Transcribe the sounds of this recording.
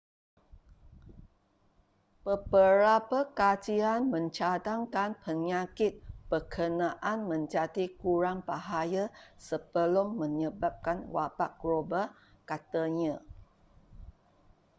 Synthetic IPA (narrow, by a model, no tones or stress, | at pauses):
pəbəɾapakad͡ʒianmə̃ɲt͡ʃadaŋkanpəɲakɪt̪̚b̥əkʰənãʔanmə̃ɲd͡ʒatikuɾaŋpaɦajasəbəlumːə̃ɲəbap̚kanwapak̚ɡ̥ɾoba | kat̪aɲã